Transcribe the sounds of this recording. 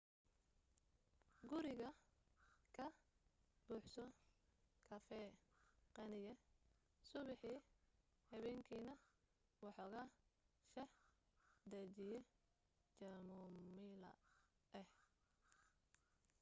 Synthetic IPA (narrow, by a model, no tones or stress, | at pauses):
ɡʊɾɪɣɐ | kʰɐ | b̥uːħsɔ | kʰɐfɛːqɛnɪjɛ | sʊβɪħiː | hɐβɛːŋkʰiːnɐ | wɑħɔːɣɐʃɐh | d̪ɐt͡ʃɪjɛ | t͡ʃɐlmʊmilɐ̰ | ɛh